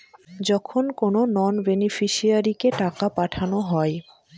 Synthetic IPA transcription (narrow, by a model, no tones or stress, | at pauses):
d͡ʑɔkʰonkononɔnbenifʰiʃiaɾikeʈakapaʈʰanoɦɔe